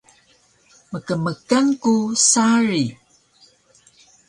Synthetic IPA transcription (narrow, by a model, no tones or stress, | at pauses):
məkəməkankusaɾi